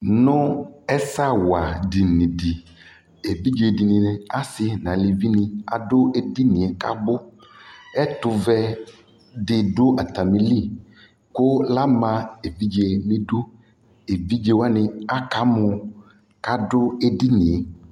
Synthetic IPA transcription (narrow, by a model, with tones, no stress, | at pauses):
nʊ̃˦ɛ˦sa˦˨wa˨di˨nĩ˨di˨ | e˨bi˦d͡ʒe˨di˨nĩ˨nɪ˨a˦sɪ˦nã˨li˨vi˦nɪ̃˨a˨dʊ˦e˦di˦nĩ˨e˨ka̰˦ɡ͡bʊ˦ | ɛ˦tʊ˨vɛ˦ | dɪ˨dʊ˦ʔa˨t̪a˨mĩ˨li˦˨ | kʊ˦la˦mã˨e˨bi˦d͡ʒe˨mĩ˦dʊ˦ | e˨bi˦d͡ʒe˦wa˦nɪ˨a˦ka˨˦mʊ˨ | ka˦dʊ˦e˦di˦nĩ˨e˨